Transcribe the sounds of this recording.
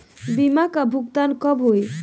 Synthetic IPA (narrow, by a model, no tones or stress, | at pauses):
bimakabʱukt̪ankɔbɦoj